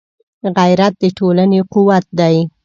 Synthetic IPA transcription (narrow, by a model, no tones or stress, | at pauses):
ɣajɾat̪̚d̪əʈʰolanequwat̪̚d̪aj